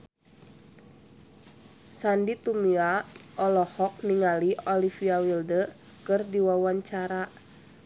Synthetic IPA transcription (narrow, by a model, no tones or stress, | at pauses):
sandit̪umiaʔɔlɔhɔk̚niŋaliɔlifiawildə | kɨrdiwawaɲt͡ʃaɾa